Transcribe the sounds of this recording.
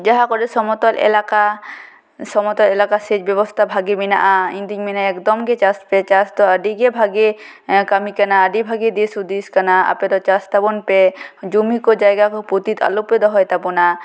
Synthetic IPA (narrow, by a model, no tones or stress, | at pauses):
d͡ʒaɦakɔɖɛsɔmɔt̪ɔlʔɛ̰laka | sɔmɔt̪ɔlɛlakased͡ʒbɛbɔst̪ʰabʱaɡimina̰ʔaĩnd̪iɲminaɛkd̪ɔmɡɛt͡ʃaspɛt͡ʃast̪ɔaɖiɡɛbʱaɡe | kamikanaːɖibʱaɡid̪isud̪iskanaa̰pɛd̪ɔt͡ʃast̪abɔnpɛd͡ʒumikɔd͡ʒajɡakɔput̪it̪a̰lupɛd̪ɔɦɔjt̪apɔna